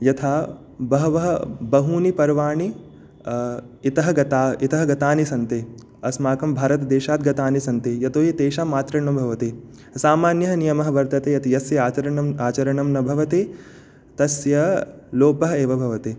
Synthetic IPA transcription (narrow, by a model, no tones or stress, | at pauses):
jɐt̪ʰaː | bɐɦɐʋɐɦɐbɐɦuːnipɐɾʋaːɳi | it̪ɐɦɐɡɐt̪aːit̪ɐɦɐɡɐt̪aːnisɐnt̪eː | ɐsmaːkɐmbʱaːɾɐt̪d̪eːʃaːt̪̚ɡɐt̪aːnisɐnt̪eːjɐt̪oːɦit̪eːʃaːmaːt̪ɾɐɳɐbʱɐʋɐt̪eː | saːmaːnjɐɦɐnijɐmɐɦɐ̆ʋɐɾt̪ɐt̪eːjɐt̪ʰijɐsjɐaːt͡ʃɐɾɐɐmaːt͡ʃɐɾɐɳɐmnɐbʱɐʋɐt̪eː | t̪ɐsjɐloːpɐɦeːʋɐbʱɐʋɐt̪eː